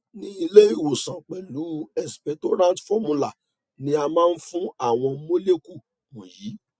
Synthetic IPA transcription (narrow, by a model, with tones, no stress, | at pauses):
nĩ˧i˧le˦i˦˨wo˨sã˨k͡pɛ˨lu˨˦ɛ˨si̥˨pɛ˨˦to˦ɾã˦tfɔ˦mũ˧la˦˨ | nĩ˧˦a˧mãː˦n̩˦fũ˦a˦˨w̃ɔ̃˧mo˦le˦ku˦˨ | mũ˨jiː˨˦